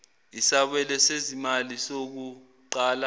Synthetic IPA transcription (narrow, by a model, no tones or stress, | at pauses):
isaɓɛlɛsezimalisok̬u | ǃaːla